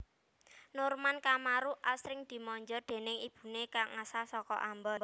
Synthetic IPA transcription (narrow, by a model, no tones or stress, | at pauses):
nʊrmankamaɾuʔasɾɪŋd̪̥i̤mɔɲd͡ʒɔrd̪̥e̤nɪŋib̥ṳnekaŋːasasɔkɔ̰ʔambɔ